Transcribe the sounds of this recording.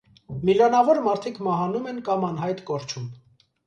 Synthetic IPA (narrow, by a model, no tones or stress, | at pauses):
milɑnɑvɔɾmɑɾt̪ʰikʰmɑɦɑnumɛnkɑmɑnɦɑjt̪kɔɾt͡ʃʰum